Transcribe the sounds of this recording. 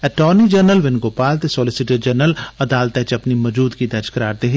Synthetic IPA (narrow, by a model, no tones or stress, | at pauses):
ɛʈɔːnid͡ʒəɾnəlʋɪnɡoːpaːlt̪esoːlɪsɪʈeɖd͡ʒəɾnəlɐd̪aːlt̪ɛt͡ʃɐpnimɐd͡ʒuːd̪kid̪ɐt͡ʃkɐɾaːɾt̪eɦi